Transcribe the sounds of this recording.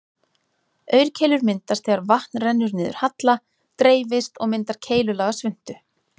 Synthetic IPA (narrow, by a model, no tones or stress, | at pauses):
œːɥɾ̥cʰeːjlʏɾmɪnt̪ast̪θɛːɣaɾvaht̪nrɛnːʏɾnɪːðʏ̰ɾ̥hat̪la | t̪ɾeːjvɪst̪ɔɣmɪnt̪aɾ̥cʰeːjlʏlaːɣasvʏn̥t̪ʏ